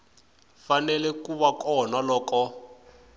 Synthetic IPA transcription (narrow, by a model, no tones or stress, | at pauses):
fanɛlɛkuβakɔnalɔːkɔ